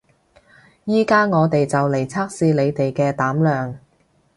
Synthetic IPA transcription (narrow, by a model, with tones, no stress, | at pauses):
jiː˥kaː˥ŋɔː˨˧t̪e˨jt͡sɐ˨wle˨˩jt͡sʰaː˥k̚siː˧le˨˧jt̪e˨jkɛː˧t̪aː˨˥mlœː˨˩ŋ